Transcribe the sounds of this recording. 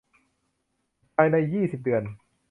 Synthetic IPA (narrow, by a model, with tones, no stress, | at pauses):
pʰaː˧jna˧jːiː˥˩si˨˩p̚dɯ˧˩ən